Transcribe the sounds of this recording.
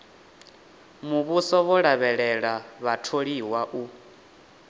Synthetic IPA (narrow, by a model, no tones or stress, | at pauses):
muβusɔβɔɺaβɛɺɛɺaβatʰoɺiwaʔu